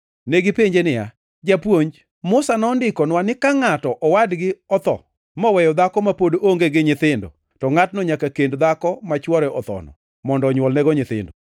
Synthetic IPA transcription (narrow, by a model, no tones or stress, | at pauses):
neɡɪpeɲd͡ʒenɪja̰ | d͡ʒapwoɲd͡ʒ | mʊsanɔndɪkɔnwanɪkaŋatɔʔɔwadɡɪɔt̪ɔ̰ | mɔwɛjɔd̪akɔmapodooŋɡeɡɪɲɪt̪ɪndɔ̰ | tɔŋatnɔɲakakendd̪akɔmat͡ʃwɔɾɛʔɔt̪ɔ̰nɔ̰ | mɔndɔɲwɔlnɛɡɔɲɪt̪ɪ̰ndɔ